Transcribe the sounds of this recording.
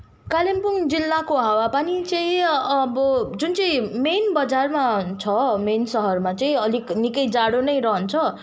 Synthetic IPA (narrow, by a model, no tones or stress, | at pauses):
kalempuŋd͡zilːakoɦawapanit͡sʌĩʌbʌd͡zunt͡sʌ̃ĩmenbʌd͡zarmat͡sʰʌmensʌɦʌrmat͡sʌĩʌliknikʌjd͡zaɽonʌjɾʌɦʌnt͡sʰʌ